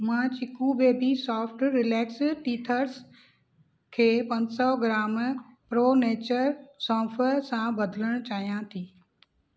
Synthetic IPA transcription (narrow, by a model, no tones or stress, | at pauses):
mãːt͡ɕɪkuʋeːbisɔːfʈɾɪlɛːksʈiːt̪ʰəɾs | kʰeːpɐ̃ɲsɔɡɾaːmpɾoːneːt͡ɕəɾsɔːfeɾsãbɐd̪ʱələɽ̃t͡ɕaːɦijãt̪ʰiː